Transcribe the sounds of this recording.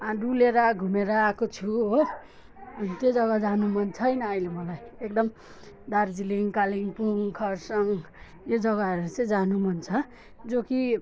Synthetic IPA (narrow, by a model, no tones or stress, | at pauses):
ãɖuleɾaɡʱumeɾʌːkot͡sʰu | ʌnit̪jod͡zʌɡad͡zanumʌnt͡sʰʌjnʌʌjlemʌlajekd̪ʌm | d̪ard͡ziliŋkaliŋɡpuŋkʰʌɾsʌŋ | jod͡zʌɡaʌɾut͡sed͡zanumʌnt͡sʰʌ | d͡zoki